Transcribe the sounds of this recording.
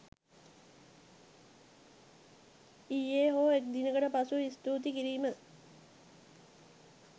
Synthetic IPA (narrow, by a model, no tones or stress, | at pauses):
iːeːɦoːek̚d̪inəkəʈəpasuist̪uːt̪̬ikiɾiːmə